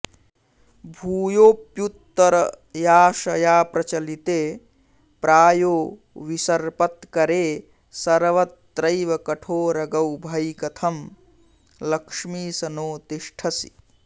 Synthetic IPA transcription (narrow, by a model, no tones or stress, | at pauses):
bʱuːjoːpjut̪ːɐɾ | jaːʃɐjaːpɾɐt͡ʃɐlit̪e | pɾʔaːjoː | ʋisɐɾpɐt̪kɐɾe | sɐɾʋɐt̪ːɾɐjʋɐkɐʈʰoːɾɐɡɐwbʱɐjkɐt̪ʰɐm | lɐkʂmiːsɐnoːt̪iʃʈʰɐsi̥̰